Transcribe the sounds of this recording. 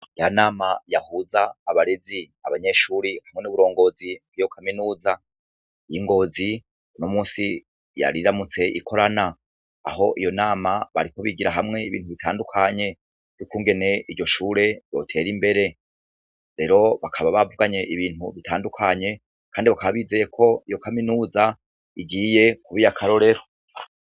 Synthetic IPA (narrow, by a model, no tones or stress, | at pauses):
jaanaːmajahuzaːβaɾezi | aβaɲe̞ʃuːɾihamŋe̞nuβuɾo̞ːŋɡo̞ːziɡijo̞kʰaminuːza | jiŋɡo̞ːzi | unomuːsi | ja̰ɾiɾamut͡se̞ʔḭkʰo̞ɾana̰ː | ho̞ʔijo̞naːmaβa̰ɾiko̞βiɡiɾaɦamŋe̞iβḭːnhuβitaːndukʰaɲe̞ | jukuːŋɡe̞ne̞ʔiɾɟo̞ʃuːɾe̞jo̞̰tʰe̞ɾimbe̞ɾe̞ | ɾe̞ɾo̞βakʰaβaβavuɡaɲe̞ʔiβiːnhuβitʰaːndukʰaɲe̞ | kʰaːndiβakaβaβiːze̞ːje̞kʰo̞ijo̞kaminuːza | iɡiːje̞kuβijakʰaɾo̞ɾe̞ɾo̞